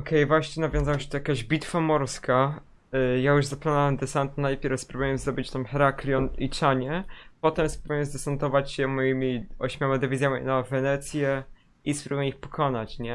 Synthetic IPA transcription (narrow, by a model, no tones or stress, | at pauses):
ɔkʰɛjvwaɕɲɛnavʲjɔ̃zawaɕɛ̥t̪ɔjakaʑbʲit̪famɔɾskʰa | jajuʐzaplanɔwɛmd̪ɛsant̪najpʲjɛɾfspɾubujɛmzd̪ɔbɘt͡ɕt̪amhɛɾaklʲjɔnit͡ʂaɲɛpɔt̪ɛmspɾubujɛmzd̪ɛsant̪ɔvat͡ɕɕɛmɔjimʲiɔɕmʲawad̪ɛvʲizʲjamʲinavɛnɛt̪sʲjɛ | ispɾubujɛmixpɔ̥kʰɔnat͡ɕɲɛ